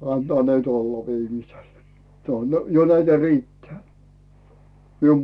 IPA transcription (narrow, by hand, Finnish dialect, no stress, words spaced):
ɑntŏɑˑ nyt olːɑ ʋiːmisel se on jo næitæ riːtːeæː mium